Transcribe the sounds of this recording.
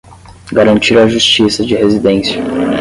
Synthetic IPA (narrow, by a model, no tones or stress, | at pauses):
ɡaɾɐ̃nt͡ʃiɾɐaʒust͡ʃisɐd͡ʒɪhezid̪ẽsiɐ